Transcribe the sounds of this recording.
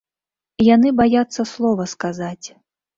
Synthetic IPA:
janɨbajat̪sːɐslˠɔvɐskazat͡sʲ

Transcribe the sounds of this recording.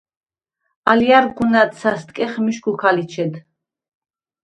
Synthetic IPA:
aliaɾɡunat̪sast̪ʼkʼɛχmiʃɡukʰalit͡ʃʰɛd̪

